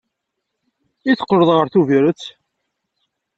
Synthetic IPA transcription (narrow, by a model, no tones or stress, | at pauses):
iθə̥qːɾəðˤʁəɾθuviɾət͡sː